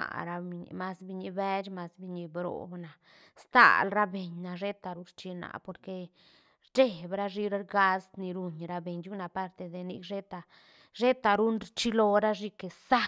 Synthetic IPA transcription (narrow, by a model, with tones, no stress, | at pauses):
a̰˨ɾa˧i˧ɲ̰˧˨ma˦sbi˧ɲi˧be˦t͡ʃma˧sbi˧ɲi˧bɾo̰˨bna˨ | st̪a̰˦˨lɾa˦be˨ɲna˨ʐe˦t̪a˧ɾu˦ɾt͡ʃi˧na̰˨po˨ɾke˧ | ɾd͡ʒe˦˧bɾa˦ʐi˧ɾa˦ɾɡa˧sd̪ni˧ɾu˧ɲɾa˧be˨ɲd͡ʒu˦na˧pa˦ɾt̪e˧d̪e˧nḭ˧kʐe˦t̪a˧ | ʐe˦t̪a˨ɾu˦nɾt͡ʃi˦lo˧ɾa˦ʐi˧ke˧sa˦